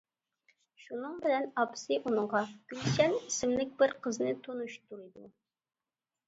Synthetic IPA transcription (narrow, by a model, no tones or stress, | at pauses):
ʃunɨŋbɪlɛnɑpsɨʔunɨɴʁɑkʲynt͡ʃɛnisɪmlɪk̚ʲbɪɾqʰəznɨt̪ʰonuʃt̪uɾɨd̪u